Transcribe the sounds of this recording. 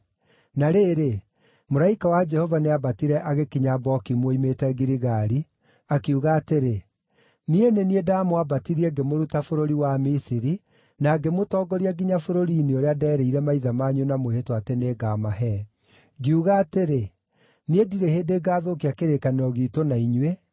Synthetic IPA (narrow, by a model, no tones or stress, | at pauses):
naɾeːɾe | moɾaikawad͡ʒɛhɔvaneabatiɾɛʔaɣekiɲabɔkimwoimetɛɡiɾiɣaɾi | akeuɣaːteɾe | nieneniedamoabatiɾiɛɡemoɾutafoɾoɾiwamisiɾi | naːɡemotɔːɡɔɾiaɡiɲafoɾoɾiːnioɾeadɛːɾɛiɾɛmaiðamaːɲunamwehetwateneːɡamaɦɛ | ɡiuɣaːteɾe | niediɾeheːndeːɡaːðokiakeɾekaneɔɣiːtonaiɲwe